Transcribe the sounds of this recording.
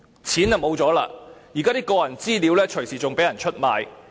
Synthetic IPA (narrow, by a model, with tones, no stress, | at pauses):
t͡sʰiː˨˥nɛ˨wmo˨˧wt͡sɔː˨˥la̰ː˧jiː˨˩kaː˥t̪iː˥kɔː˧jɐ˨˩nt͡siː˥liː˨˥wlɛː˥t͡ʃʰɵ˨˩ɥsiː˨˩t͡sʊ˨ŋpe˨˥jɐ˨˩nt͡ʃʰɵ˥t̚maː˨˧j